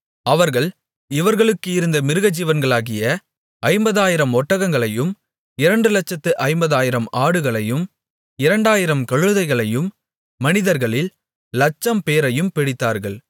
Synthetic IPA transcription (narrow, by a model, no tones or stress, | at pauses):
ɐʋɐɾɣɐɭ | ɪʋɐɾɣɐɭɯkːɯɪɾɯnd̪ɐmɪɾɯɣɐd͡ʒiːʋɐnɡɐɭaːɣɪjɐ | ɐɪmbɐðaːjɪɾɐmɔʈːɐɣɐŋɡɐɭɐjɯm | ɪɾɐɳɖɯlɐt͡ʃːɐt̪ːɯʔɐɪmbɐðaːjɪɾɐmaːɽɯɣɐɭɐjɯm | ɪɾɐɳɖaːjɪɾɐmkɐɻɯðɐɪɣɐɭɐjɯmː | ɐnɪðɐɾɣɐɭɪlː | ɐt͡ʃːɐmpeːɾɐjɯmpɪɽɪt̪ːaːɾɣɐɭ